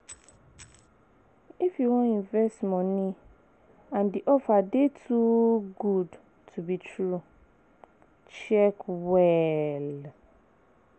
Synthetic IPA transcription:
ifjuwɔ̃nĩɱvɛstmɔ̃nĩ | ãndiʔɔfadetʰuɡud | tʰubitʰɹu | t͡ʃɛkwɛl

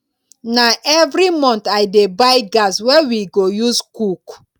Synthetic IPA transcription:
naʔɛvɾimɔ̃nt̪ajdebajɡaswɛwiɡojuskuk

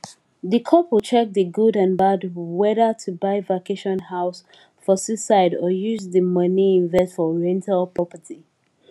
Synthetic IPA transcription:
ðəkʰɔpt͡ʃʰɛk̚dəɡudãnbadwɛðətʰubaɪvakeʃɔ̃nhaʊs | fɔsisaɪdɔjuzðəmʌniɪ̃nvɛstfɔɹɛ̃ntʰalpʰɹ̥ɔpətʰi

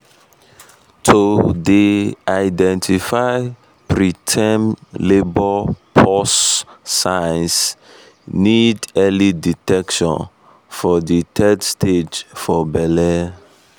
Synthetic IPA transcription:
tʰodeajdɛ̃ntʰifaɪ | pɾitʰɛ̃mlebɔpʰɔsː | ajns | nidɛliditɛkʃɔ̰̃n | fɔditʰɛdstʰed͡ʒfɔbɛlɛ

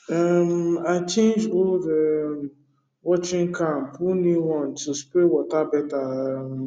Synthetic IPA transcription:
amat͡ʃẽnd͡ʒoldə | wɔt͡ʃɪ̃ŋkʰãm̩pʰuniwɔ̃ntuspɾewɔtabɛta

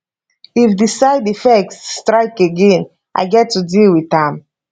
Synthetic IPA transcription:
ifdisaɪdifɛk̚sːtɹaɪkeɡẽn | ʔa̰ɪɡɛtːudilwitãm

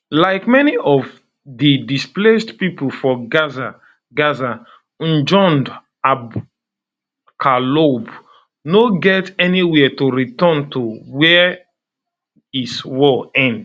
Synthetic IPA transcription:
laɪkmɛniʔɔv | ðidisplesdpipol̩fɔɡaza | ɡaza | n̩d͡ʒɔ̃nd | ab | kʰalob | noɡɛtɛniwɛtuɹitɔntʰowɛ | iswɔlɛ̃nd

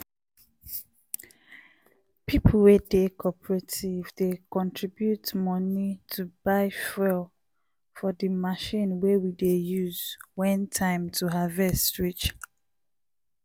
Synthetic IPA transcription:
pʰipʰlwedekʰɔpɹetʰivdekɔ̃ntʰɹibjutmɔnitʰubaɪfɛl | fɔdimaʃĩnwewidejuzwɛ̃ntʰãɪ̃mtʰuɦavɛstɹit͡ʃ

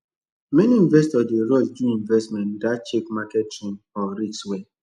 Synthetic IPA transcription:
mɛniĩnvɛstɔdeɾɔsduĩɱvɛstmɛ̃ntdat͡ʃekmakɛt̚tẽn | ɔɾit͡ʃswe

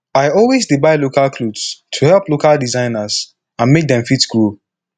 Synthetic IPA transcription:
aɪɔlˠwezdibaɪlokalkʰludstʰuhɛlˠplokalˠdizãɪ̃nəz̥ | ãnmek̚d̪ɛ̃mfitɡɹo

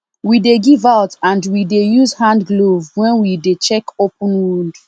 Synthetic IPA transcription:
wideɡivaʊtãndwidejuzhãndɡlovwɛ̃nwidet͡ʃɛkopũnɹud

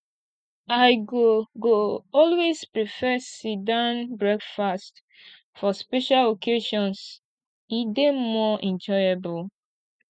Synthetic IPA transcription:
aɪɡoɡoɔlwespɹifɛsidãnbɹɛkfast | fɔspɛʃalokʰeʃɔ̃ns | idemɔɛ̃nd͡ʒɔjebʊl

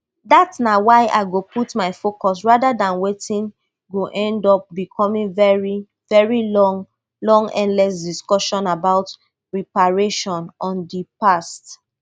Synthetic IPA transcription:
datsnawaɪʔa̰ɪɡoputmaɪfokɔs̬ɹadadãnwetĩn | ɡoʔɛ̃ndɔp̚bikʰɔmĩŋvɛɹi | vɛɹilɔŋ | lɔ̃ŋɛ̰̃ndlɛs̬diskɔʃɔ̃nabaʊt | ɹipaɹeʃɔ̃nɔ̃ndipast

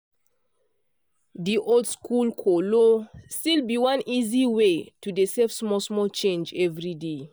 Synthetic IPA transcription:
diʔoldskʰulkʰɔlostilbiwãnʔiziwetudesɛfsmɔsmɔlt͡ʃẽnd͡ʒɛvɹide

